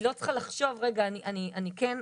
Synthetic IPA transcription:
lo̞t͡sχalaχʃo̞vʁe̞ɡaːniʔaniʔaniken

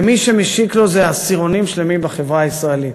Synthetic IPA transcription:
miʃe̞meʃiklo̞zeasiʁo̞nimʃle̞mimbaχevʁaːisʁaelit

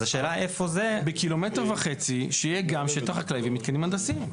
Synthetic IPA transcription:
zaʃe̞ːlaefo̞zebekilo̞me̞tʁvaχet͡siʃeijeɡamʃet̪oχaklaivimːit̪̚kenimand̪asim

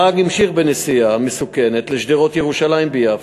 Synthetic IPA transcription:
aɡimʃiχbenesijamesuke̞ne̞t̪leʃd̪iʁo̞t̪jeʁuʃalajimbejav

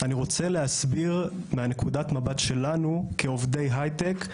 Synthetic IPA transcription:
aniʁo̞t͡se̞leasbiʁmeane̞kudatmabatʃe̞lanukeovde̞jɦajtek

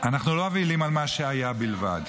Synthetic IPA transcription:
anaχnuloavilimalmaʃeajabilva̰d

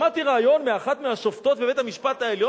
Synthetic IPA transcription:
at̪iʁaajo̞nmeaχat̪meaʃoft̪o̞t̪beve̞t̪hamiʃpat̪aeljo

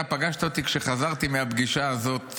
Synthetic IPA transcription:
apaɡaʃt̪aot̪ikʃe̞χazaʁt̪imeabɡiʃaːzo̞t̪

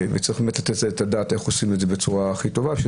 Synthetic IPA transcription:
vet͡sɐʁiχbemetlat̪etleetadaːteχosinuedzebet͡suʁaχit̪o̞vabeʃe

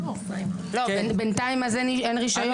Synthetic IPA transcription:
lo̞benbent̪aimazenienʁiʃajo

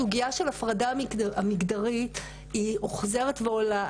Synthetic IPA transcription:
uɡiaʃe̞lafʁadaamiɡd̪aʁit | iuχze̞ʁetveola

